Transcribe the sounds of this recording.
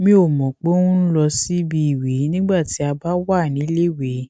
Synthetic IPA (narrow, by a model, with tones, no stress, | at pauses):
mĩ˧˦o˨mɔ̃˨k͡po˦ũ˦n̩˦lɔ˧si˦bi˧i˨wi˨˦nĩ˦ɡ͡ba˦˨ti˨˦a˧ba˦wa˦˨nĩ˨˦le˦˨we˨˦